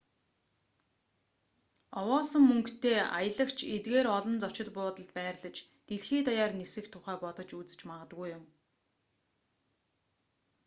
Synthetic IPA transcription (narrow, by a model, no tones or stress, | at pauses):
ɔwɔːsə̆mːɵŋkt̪ʰeːa̰jə̆ɮə̆kt͡ɕʰet̪̚ɡeːɾɔɮɞ̆nt͡sɔ̥t͡ɕɪ̆t̪pʊːt̪ə̆ɮt̪̚pæːrɮə̆t͡ɕ | t̪eɮxeːt̪ajaːrnesɘ̆kt̪ʰʊχæːpɔt̪ɞ̆t͡ɕut͡sɘ̥̆t͡ɕmaʁə̆t̪ɣujʊm